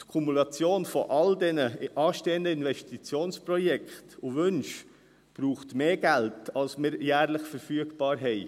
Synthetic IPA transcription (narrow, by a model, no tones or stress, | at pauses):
tkʰumulɑt͡sjoːnfɔʔɑldɛnəʔɑːʃteːəndəinvɛstit͡sjoːnsprɔjɛkχtʊvʏnʃ | b̥ɾuːχtmeːɡæltɑlsmɪɾjæːɾlɪχfəɾfyəɡb̥ɑːɾɦɛɪ